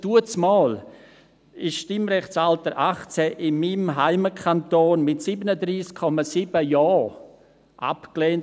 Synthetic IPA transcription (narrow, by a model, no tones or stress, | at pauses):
d̥uət͡smɔːl | ɪsʃtɪmɾɛχsaltəɾʔaχt͡sɛʔɪmːimɦaɪməkʰantoːnmɪtsiːbənədɾiːskʰːɔmasiːbəjɑː | ʔa̰pkleːnt